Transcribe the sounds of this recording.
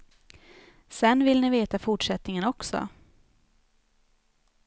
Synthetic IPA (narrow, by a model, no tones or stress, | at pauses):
sɛnːvɪlnɪveːt̪afʊʈʂɛt̪nɪŋənɔksɔ̰